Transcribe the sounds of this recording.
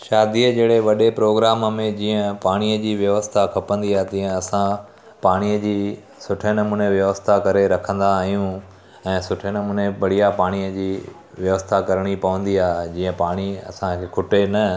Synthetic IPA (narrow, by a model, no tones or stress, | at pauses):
ʃaːd̪iəd͡ʑeːɽeʋɐɗepɾoːɡɾaːmmẽd͡ʑiːə̃paːɽ̃ijəd͡ʑiːʋjɐʋəst̪ʰakʰɐpə̃nd̪iaːɦet̪iːə̃ɐsã | paːɽ̃iəd͡ʑiː | sʊʈʰenɐmũːneʋjɐʋəst̪ʰakɐɾeɾɐkʰə̃nd̪aːɦijũ | ɛ̃ːsʊʈʰenɐmuːneʋɐɽ̤ijapaːɽ̃ijəd͡ʑiː | ʋjɐʋəst̪ʰakɐɾɽ̃ipɐʋə̃nd̪iaːɦd͡ʑiːə̃paːɽ̃iɐ̰sãkʰekʰʊʈenɐ